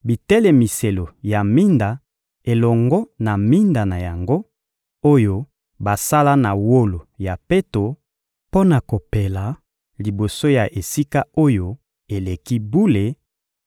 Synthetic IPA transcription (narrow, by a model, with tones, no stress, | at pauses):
bi˨tɛ˦lɛ˨mi˨se˨lo˨ja˨mi˦nda˨ | e˨lɔ˨ŋɡɔ˦na˨mi˦nda˨na˨ja˨ŋɡo˦ | o˦jo˦ | ba˨sa˦la˦na˨wo˦lo˨ja˨pe˦to˨ | po˦na˨ko˨pe˨la˨ | li˨bo˨so˦ja˨ʔe˨si˦ka˦o˦jo˦ | e˨le˨ki˦bu˦le˨